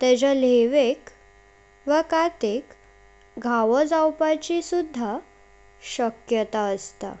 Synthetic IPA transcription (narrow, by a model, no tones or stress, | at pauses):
t̪ɛ̃d͡ʑəleʋek | ʋəkat̪ek | ɡʱaʋəd͡zawpat͡ɕisud̪ʱːa | ɕəkjət̪aəst̪a̰